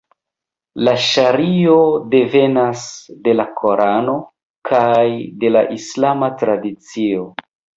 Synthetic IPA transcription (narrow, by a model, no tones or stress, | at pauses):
laʃaɾio̞de̞ve̞nasde̞lakʰo̞ɾʔano̞ | kʰajde̞laʔislamatɾadit͡sio̞